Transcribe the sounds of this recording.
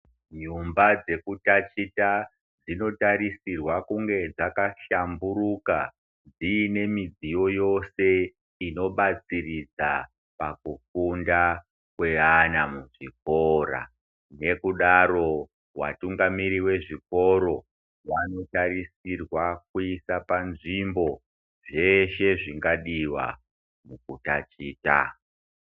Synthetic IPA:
ɲumbad͡ze̞kutat͡ʃita | d͡zino̞taɾisirwakuŋɡe̞d͡zakaʃambuɾuka | d͡ziːne̞mid͡zijo̞jo̞se̞ | ino̞ɓat͡sirid͡za | pakukunda | kwe̞ɦanamuʐiko̞ɾa̰ | ne̞kuɗaɾo̞ | wa̰tuŋɡamiɾiwe̞ʐiko̞ɾo̞ | wano̞taɾisirwak̚uisapanʐimbo̞ | ʐe̞ʃe̞ʐiŋɡaɗiwa̰ | muk̚utat͡ʃiːta̰

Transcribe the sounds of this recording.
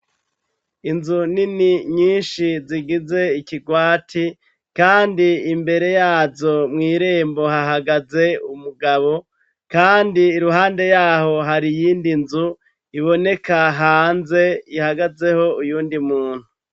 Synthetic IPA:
inzuniniɲiːnʃiziɡize̞ikiɡwaːtʰi | kaːndiimbe̞ɾe̞jaːzo̞mŋiːɾe̞ːmbo̞ɦaɦaɡaze̞umuɡaβo̞ | kaːndiːɾuɦaːnde̞jaːho̞ɦaɾijiːndinzu | iβo̞ne̞kaɦaːnze̞ihaɡaze̞ho̞ujuːndimuːn̥hu

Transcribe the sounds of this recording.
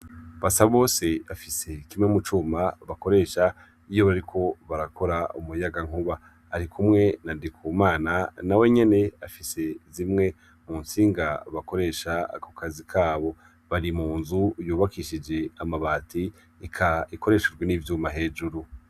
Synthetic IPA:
βasaβo̞ːse̞afise̞kimŋemut͡ʃuːmaβako̞ɾe̞ːʃa | ijo̞βaɾikʰo̞βaɾako̞ɾaumujaɡaŋ̥uβaː | ɾikʰumŋe̞nadikʰuːmaːnanawe̞ɲe̞ne̞afise̞zimŋe̞ | munsiːŋɡaβako̞ɾe̞ːʃakokazikʰaːβo̞ | βaɾimuːnzujuːβakiʃid͡ʒe̞amaβaːti | ikʰaiko̞ɾe̞ːʃed͡ʒɡweniːvjuːmaɦe̞ːd͡ʒuɾu

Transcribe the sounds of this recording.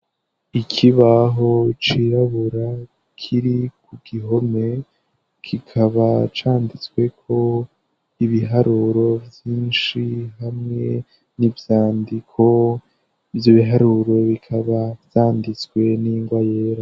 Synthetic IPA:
ikʰiβaɦo̞t͡ʃiɾaβuɾa | kʰiɾikuɡ̥iɦo̞me̞ | kʰikʰaβat͡ʃaːndit͡swe̞kʰo̞ | iβiɦaɾuɾo̞vjiːnʃiɦamŋe̞ | nivjaːndikʰo̞ | ivjo̞βiɦaɾuɾo̞βikʰaβavjaːndit͡swe̞niŋɡwaje̞ːɾa

